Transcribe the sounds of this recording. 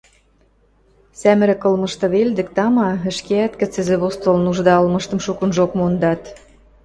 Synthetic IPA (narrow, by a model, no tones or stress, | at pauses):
sæmɘ̆ɾĕkɤ̆lmɤ̆ʃt̪ɤ̆βeld̪ɘ̆k̚t̪ɑmɑə̆ʃkeæt̪kə̆t͡sɘ̆zĕβost̪olnuʒd̪ɑɤlmɤ̆ʃt̪ɤ̆mʃukə̆nʒokmond̪ɑt̪